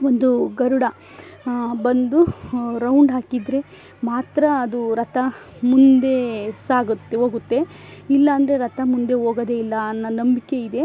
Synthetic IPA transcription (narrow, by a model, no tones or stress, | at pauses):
ʋond̪uɡɐɾuɽɐ | bɐnd̪uɾɐwɳɖɦaːkid̪ɾe̞ | maːt̪ɾɐːd̪uɾɐt̪ʰɐ | mund̪e̞saːɡut̪ːeɦoːɡut̪ːe̞ | ilːɐːnd̪ɐɾe̞ɾɐt̪ʰɐmund̪e̞ɦoːɡɐd̪e̞ilːɐːnːɐnɐmbike̞id̪e̞